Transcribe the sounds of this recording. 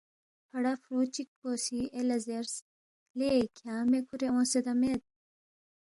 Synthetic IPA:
pʰɐɽafɾuːt͡ɕik̚poːsielɐzeɾs | lekʰjaːmekʰuɾeõːsed̪ɐmet̪̚

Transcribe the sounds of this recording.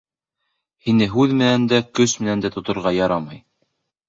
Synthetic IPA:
hinɘɦʉðmɘ̆nænd̪ækɵsmɘ̆nænd̪æt̪ŏt̪ŏɾʁɑjɑɾɑmɑj

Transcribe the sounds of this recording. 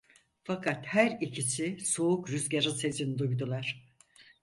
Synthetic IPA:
fakʰat̪hæɾicʰisisoukɾyzɟaɾɯse̞zinid̪ujd̪ulˠaɾ̝̥

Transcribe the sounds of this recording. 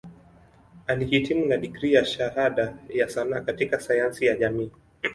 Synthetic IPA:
alihitimunaɗikɾijaʃaɦaɗajasanaːkatikasajansijaʄamiː

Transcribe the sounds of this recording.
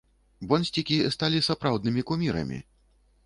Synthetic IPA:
bɔnʲsʲt͡sʲikʲist̪alʲisapɾawd̪nɨmʲikumʲiɾɐ̰mʲḭ

